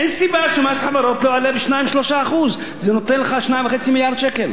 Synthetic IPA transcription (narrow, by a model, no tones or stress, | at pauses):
ʔensibaʃemasħavaɾo̞t̪loalebiʃnajimʃlo̞ʃaːχuz | zenot̪enleχaʃnajmvexet͡similjaʁd̪ʃekel